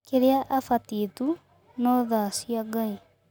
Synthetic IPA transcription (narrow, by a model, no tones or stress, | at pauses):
keɾeaʔafatiːtu | nɔðasiaɡai